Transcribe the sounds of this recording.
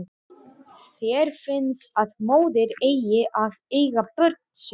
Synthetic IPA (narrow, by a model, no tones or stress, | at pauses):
θɛɾ̥fɪnsaðmoːwðɪɾeːjjɪʔaðeːjɣapœɾ̥t̪̚n̥s